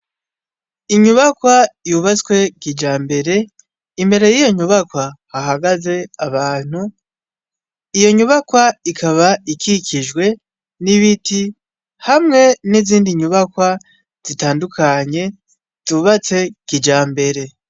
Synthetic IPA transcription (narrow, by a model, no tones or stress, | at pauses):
iɲuβakwajuβat͡skwe̞kid͡ʒaːmbe̞ɾe̞ | imbe̞ɾe̞jijo̞ɲuβakwahaɦaɡaze̞aβaːn̥hu | ijo̞ɲuβakwaikʰaβaikʰiciʒɡwe̞ | niβiti | hamŋe̞niziːndiɲuβakwa | z̥itaːndukʰaɲe̞ | z̥uβat͡se̞kid͡ʒaːmbe̞ɾe̞